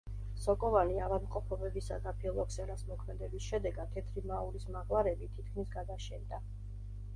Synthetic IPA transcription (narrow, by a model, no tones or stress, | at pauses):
sɔkʼɔvaniavad̪mqʼɔpʰɔbɛbisa̰d̪apʰiɔlˠɔksɛɾasmɔkʰmɛd̪ɛbisʃɛd̪ɛɡad̪̚t̪ʰːɛt̪ʰɾimauɾismaʁlˠaɾɛbit̪ʰit̪̚ʰkʰmisɡad̪aʃɛnd̪a